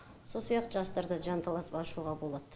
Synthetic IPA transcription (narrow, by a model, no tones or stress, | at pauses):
so̞lˠsijɑq̚t̪ʒɑst̪ɑɾd̪əʒɑnt̪ʰɑlˠɑsəpɑʃuʁɑbo̞lˠɑd̪̥